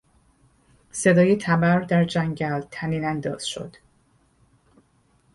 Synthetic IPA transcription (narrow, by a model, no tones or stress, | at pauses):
se̞d̪ɒːjet̪ʰæbæɾd̪æɾd͡ʒæŋɟælt̪ʰæniːnænd̪ɒ̰ːz̥ʃo̞̰d̪̥